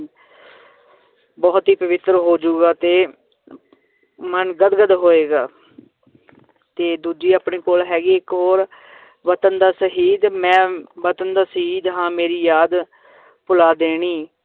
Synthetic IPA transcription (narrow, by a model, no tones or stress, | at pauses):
bɔːt̪ɦiːpəʋɪt̪ɾɦoːd͡ʒuːɡaːt̪eː | mənɡəd̪ɡəd̪ɦoːeːɡaː | t̪eːd̪uːd͡ʒiːaːpɳeːkoːlɦɛːɡeːɪkɦoːɾ | ʋət̪ənd̪aːsəɦiːd̪mɛ̃ːʋət̪ənd̪aːsəɦiːd̪ɦãːmeːɾiːjaːd̪ | pʊlaːd̪eːɽ̃iː